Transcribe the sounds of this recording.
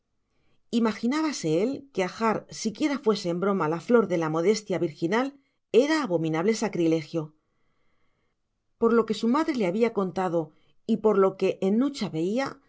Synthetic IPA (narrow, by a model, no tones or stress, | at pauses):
imaxinaβase̞elke̞axaɾsikje̞ɾafwe̞se̞ːmbɾo̞malaflo̞ɾðe̞lamo̞ð̞e̞st̪jaβiɾxinal | e̞ɾaːβo̞mĩnaβ̞le̞sakɾile̞xjo̞ | po̞ɾlo̞ke̞sumaðɾe̞leaβiako̞nt̪að̞o | ipo̞ɾlo̞ke̞ʔenːut͡ʃaβe̞ia